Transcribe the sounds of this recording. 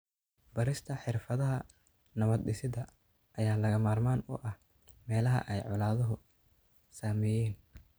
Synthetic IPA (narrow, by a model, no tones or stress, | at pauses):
bɐɾɪst̪ʰɐħɪrfɐðɐɦɐ | nɐβɐd̪ɗɪsɪðɐ | ʔɐjaːlɐɣɐmaːrmaːnʊ̰ʔɐh | mɛːlɐɦɐ̰ʔɛjʕʊlaːðɐɦʊ | saːmɛjɛːn